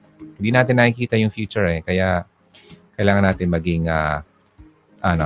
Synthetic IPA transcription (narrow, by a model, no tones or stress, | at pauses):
hɪnd̪iːnaːt̪ɪnːɐhikiːt̪ɐjʊŋfjuːt͡ʃʊɹɛkɐja | kɐjlaːŋɐnaːt̪ɪnmɐɡɪŋa̰ | ʔɐno